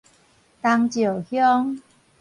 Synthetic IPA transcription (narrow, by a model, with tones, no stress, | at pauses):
t̪a˧ŋt͡ɕji˨˩whjɔ˦˧ŋ